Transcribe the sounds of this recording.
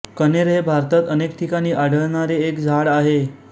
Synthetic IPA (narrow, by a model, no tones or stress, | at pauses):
kəneɾɦebʱaɾt̪ət̪ənekʈʰikaɽ̃iːʔaɽ̤ʱəɭɳaɾeːkd͡zʱaɽaɦe